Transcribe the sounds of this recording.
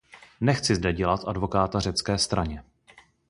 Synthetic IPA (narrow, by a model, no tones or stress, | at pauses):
nɛxt͡sɪzdɛɟɛlat̪ʔadvo̞kaːt̪ar̝ɛt͡skɛːst̪ɾaɲɛ